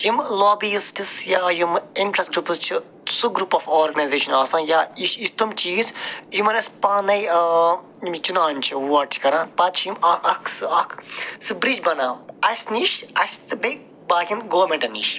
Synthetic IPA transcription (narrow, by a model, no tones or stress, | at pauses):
jimloːbisʈisjaːjimiɳʈɾɐsɡɾupɨst͡ʃʰi | suɡɾuːpɔːfoːɾɡɐnɐːzeːʃɐnaːsãːnjaːiʃist̪ʰumt͡ʃiːzjimɐɾɐspaːnɐj | imt͡ʃunaːnt͡ʃʰiʋɐʈt͡ʃʰkɐɾãːpɐt̪t͡ʃʰjimɐkʰɐkʰsɨɐkʰsɨbɾid͡ʒbɐnaːɐsʲniːʃɐst̪ɨbe | baːkʲimɡoːɾmʲẽɳʈɐniːʃ